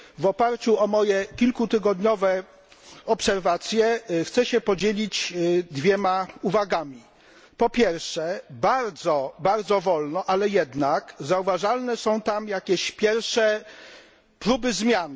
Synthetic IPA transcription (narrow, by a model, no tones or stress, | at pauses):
vɔpaɾt͡ɕuɔmɔjɛkʲilkut̪ɘɡɔd̪ɲɔvɛ | ɔpsɛɾvat̪sʲjɛxt̪sɛɕɛpɔd͡ʑelʲit͡ɕd̪vʲjɛmauvaɡamʲi | pɔpʲjɛɾfʂɛbaɾd̪zɔbaɾd̪zɔvɔlnɔʔalɛjɛd̪nakzauvaʐalnɛsɔ̃w̃t̪amjakʲɛɕpʲjɛɾfʂɛ | pɾubɘzmʲjan